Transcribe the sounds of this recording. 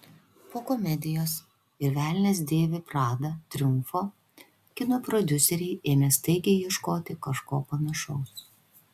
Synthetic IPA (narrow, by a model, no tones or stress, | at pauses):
poːkɔmʲɛd̪ʲɪjoːs | ɪɾʲʋʲæːlʲnʲeːs̬d̪ʲeːʋʲɪpɾɑːd̪ɐt̪ʲɾʲʊmfoː | kʲɪnoːpɾɔd̪ʲʊsʲɛɾʲɛɪʔeːmʲɛst̪ɐɪɡʲɛjɛʃkoːt̪ʲɪkɐʃkoːpɐnɐʃɐʊs